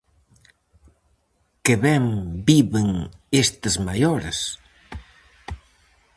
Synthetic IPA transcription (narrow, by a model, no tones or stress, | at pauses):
kɪβɛmbiβɪŋest̪ɐzmajoɾes